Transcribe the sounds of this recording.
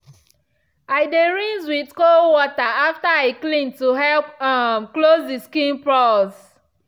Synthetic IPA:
ajdeɹĩŋzwidkolwɔtaaftaaɪklĩntuɦɛlpamklozdiskĩnpɹɔz

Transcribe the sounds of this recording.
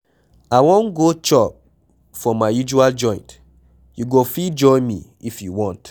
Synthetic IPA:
aɪwõnɡot͡ʃɔp̚ | fɔmaɪjud͡ʒuald͡ʒɔ̃ɪ̃nt | juɡofid͡ʒɔɪmḭifjuwɔ̃nt

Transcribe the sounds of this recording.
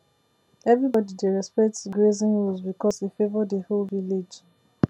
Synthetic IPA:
ɛvɹibɔdideɹɛspɛk̚tɡɹezĩnɹɔzbikʰɔshifevədəholviled͡ʒ

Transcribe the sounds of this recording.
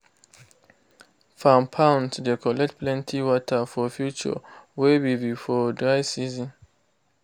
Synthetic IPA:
fãmpʰãʊ̃ntdekʰɔlɛk̚tplɛ̃ntʰiwɔtʰafɔfjut͡ʃə̰webibifɔdɹajsizĩn

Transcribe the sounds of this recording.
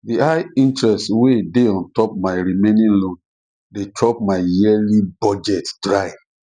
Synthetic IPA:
diaɪĩntɹɛstwedeɔ̃ntɔp̚maɪɹimẽnĩnlõn | detʰɹɔp̚maɪjilibɔd͡ʒɛtdɹaɪ

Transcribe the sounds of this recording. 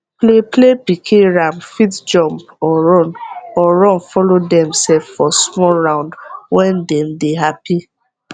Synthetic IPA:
pleplepikʰeɹãmfitd͡ʒɔ̃mp | ɔɹɔnɔɹɔ̃nfɔlodɛ̃msɛffɔsmɔlɹãʊ̃ndwɛ̃ndɛmdeɦapi

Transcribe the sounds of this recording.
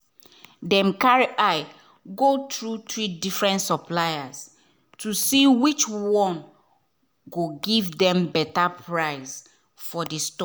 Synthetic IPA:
dɛ̃mkaɹiʔaj | ɡotɹutɹidifɹɛ̃ntsɔplajas | tusiwit͡ʃwɔ̃m | ɡoɡivdɛ̃mbɛtapʰɹaɪs | fɔdistɔ

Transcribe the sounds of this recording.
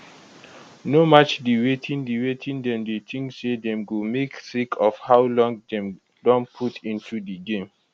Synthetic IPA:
nomat͡ʃdiwetʰĩndiwetʰĩndɛ̃mdetʰĩŋsedɛ̃mɡumeksikʰɔfhawlɔ̃ŋdɛ̃m | dɔ̃npʰutʰĩntʰudiɡẽm

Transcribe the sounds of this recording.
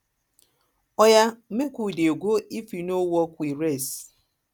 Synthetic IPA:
ɔjam̩mekʷudeoɡʷoifinowɔkʷiɾes

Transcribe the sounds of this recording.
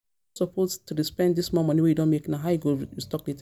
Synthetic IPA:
sɔpʰostuɾispɛ̃ndismɔmɔ̃niwejudõnmeknaɦaʊjiɡoɹistɔklit

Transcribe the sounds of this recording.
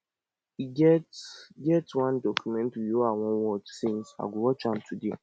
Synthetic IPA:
iɡɛtɡɛtwãndɔkʰumɛ̃ntjoawɔ̃nwɔt͡ʃsĩnsa̰ɡʷʊwɔt͡ʃãmtʰude

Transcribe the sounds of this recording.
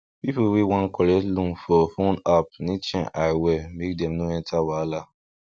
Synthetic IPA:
pipuwewãnkɔɾɛtlũnfɔfõnap̚nĩt͡ʃɛ̃ʔaɪwɛmek̚dɛ̃mnoɛ̃ntʰawala

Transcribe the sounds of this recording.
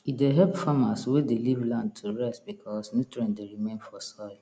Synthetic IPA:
ideɦɛpfamaswedelivlãnd̚tʰuɹɛstbikʰɔsnutɹɛ̃ndeɹimẽnfɔsɔ

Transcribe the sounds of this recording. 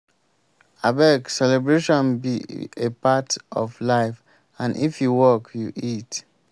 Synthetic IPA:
abɛksɛlɛbɹeʃɔ̃nbiepatɔflaɪf | ãndifjuwɔkʰjuʔit

